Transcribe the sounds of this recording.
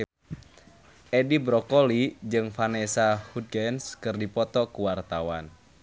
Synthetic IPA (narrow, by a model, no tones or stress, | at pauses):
edibɾɔkolid͡ʒɨŋfanesahud̪̚ɡɛnskɨrdipɔt̪ɔkuwart̪awan